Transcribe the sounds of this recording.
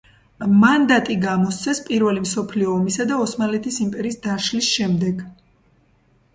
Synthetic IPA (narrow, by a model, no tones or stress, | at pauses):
mand̪at̪ʼiɡamɔst̪sʰɛspʼiɾvɛlimsɔpʰliɔːmisad̪aɔsmalɛt̪ʰisimpʼɛɾiːsd̪aʃlisʃɛmd̪ɛɡ